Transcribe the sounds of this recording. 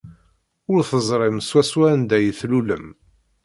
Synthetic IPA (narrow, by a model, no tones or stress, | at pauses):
ʊɾθəzˤɾˤɪmswæswænd̪æjθluləm